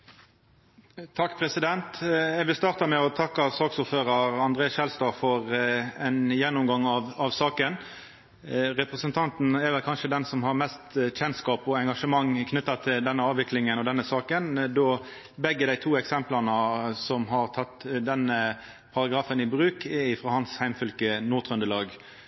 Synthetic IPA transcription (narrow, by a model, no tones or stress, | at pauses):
t̪ʰɑkːpʰɾɛsɪd̪ɛnt̪ɛʋɪlst̪ɑːʁt̪ɑmɛɔt̪ʰɑkːɑsɑːksʊɾføːɾɑɾɑnd̪ɾeːsʃɛlst̪ɑːfɔɾɛnjɛnːʊmɡɑŋɑʋɑʋsɑːkən | ɾɛpɾɛsənt̪ʰɑnt̪n̩ɛɾʋɛlkʰɑnʂəd̪ɛnsɔmhɑɾmɛst̪çɛnskɑːpɔɛŋɡɑʂəmɑŋːkʰnʏt̪ːɑt̪ʰɪld̪ɛnːəɑːʋɪklɪŋənɔd̪ɛnːəsɑːkənd̪oː | bɛɡːəd̪æɪt̪ʰuːɛksɛmplɑnəsɔmɦɑʁt̪ʰɑt̪ːd̪ɛnːə | pʰɑɾɑɡɾɑːfənɪbɾʉːkʰɛɪfɾɑːhɑnshæɪmfʏlkənuːʁt̪ʰʁœnd̪əlɑːɡ